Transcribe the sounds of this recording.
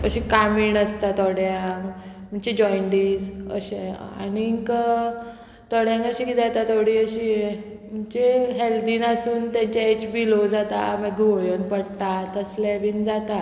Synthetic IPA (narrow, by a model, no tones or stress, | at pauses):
əɕikamiːɳəst̪at̪ɔɽjãkm̤əɳt͡ɕed͡ʑɔjɳɖiːsə̰ɕea̰niŋkə | t̪ɔɽjãŋkəɕikid̪at̪at̪oɽiːəɕiːe | m̤əɳt͡ɕeɦeld̪iːnasuːnt̪jãɲt͡ɕaet͡sbilod͡zat̪a̰məɡʱoɭjənpəɽt̪at̪əslaʋiːnd͡zat̪a